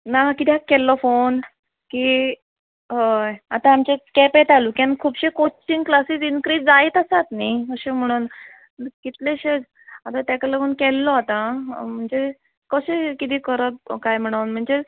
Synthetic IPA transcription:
nakit̪ʰjakːɛlːɔfon | ki | ɦəjat̪ãamt͡ɕekɛpeʈ̪alukiankʰuːbɕẽkot͡ɕiŋɡklasiːsinkɾiːd͡zd͡zajt̪asat̪nikəɕem̤əɽ̃uːn | kit̪leɕe | at̪at̪akələɡuːnkɛlːɔat̪ãm̤əɳd͡ze | kəɕekit̪ikəɾəb̚kajm̤əɽ̃əwnm̤əɳd͡ze

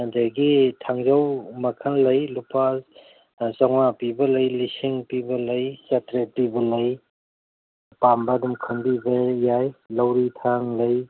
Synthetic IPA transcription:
deɡitʰaŋzawmɐkʰɐŋlɐjlupas | zawapibɐlɐjlisiŋpibɐlɐjsɐtɾepibɐlɐj | pambɐdumkʰɐŋbibɐjajlɐwɾitʰaŋlɐj

